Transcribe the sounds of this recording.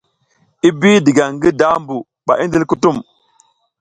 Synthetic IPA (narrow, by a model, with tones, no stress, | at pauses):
i˦bi˦di˨ɡa˨ŋɡi˦da˦mbu˨ | ɓa˨ʔi˦n˦di˦lku˦tu˦˨m